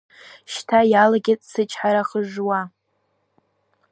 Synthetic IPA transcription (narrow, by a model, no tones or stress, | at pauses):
ʃtʰajalaɡʲɪt͡sʼsɨt͡ʃʰħaɾaχəʒwa